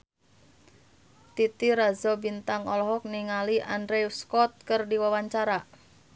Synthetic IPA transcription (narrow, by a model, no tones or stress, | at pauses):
t̪it̪iɾazɔbint̪aŋɔlɔɦɔk̚niŋaliʔandɾɛuskɔt̪̚kɨrdiwawaɲt͡ʃaɾa